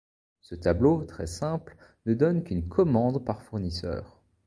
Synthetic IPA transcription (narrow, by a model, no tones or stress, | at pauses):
sət̪ablot̪χɛ̰sɛ̃pl | nəd̪ɔnkynkʰɔmɑ̃d̪paʁfuʁnisœ̰ːʁ